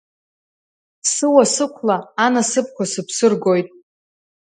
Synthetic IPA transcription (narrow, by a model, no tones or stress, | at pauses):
sɨwasɨkʷʰlaːnasɨp̚ʰkʷʰasɨpʰsɨrɡo̞jtʼ